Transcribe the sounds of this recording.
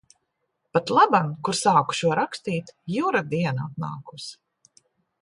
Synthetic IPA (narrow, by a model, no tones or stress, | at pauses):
pat̪lˠabankuɾsaːku̥ʃuɔɾakst̪iːt̪juːɾad̪iɛnaat̪na̰ːkus